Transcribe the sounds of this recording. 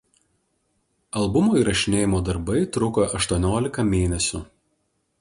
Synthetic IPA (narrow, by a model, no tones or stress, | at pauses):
ɐlˠbʊmoːiːˑɾɐʃʲɪnʲeːjɪmoːd̪ɐɾbɐɪt̪ɾʊkɐʔɐʃt̪uɔnʲoːlʲɪkɐmʲeːnʲɛsʲʊ